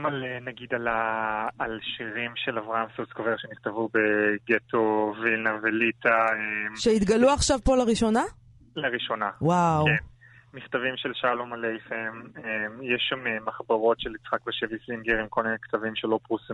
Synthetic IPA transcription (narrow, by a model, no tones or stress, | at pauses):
malenaɡid̪alaː | lʃiʁimʃe̞lavʁaʔamsuskoveʁʃeniχt̪avube̞ɡetʰo̞vilnavelitaemʃeit̪ɡaluaχʃavpo̞laʁiʃo̞na | laʁiʃo̞nawawken | miχt̪avimʃelʃalomalejfememjeʃamemaχbaʁo̞tʃelit͡sχakbeʃevisiŋɡeʁimkolminekt̪avimʃelo̞pʁusim